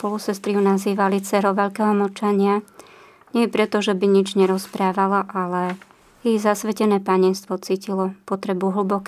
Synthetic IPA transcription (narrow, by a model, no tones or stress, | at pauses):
pɔlusɛst̪ɾiunaziːʋalit͡sɛɾɔʋɛʎkɛɦɔmɔt͡ʃaɲɪa | ɲɛpɾɛt̪ɔʒɛbiɲid͡ʒɲɛɾɔspɾaːʋalaʔalɛ | jijzasʋɛcɛnɛːpaɲɛnst̪ʋɔt͡siːcilɔpɔt̪ɾɛbuɦl̩bɔkː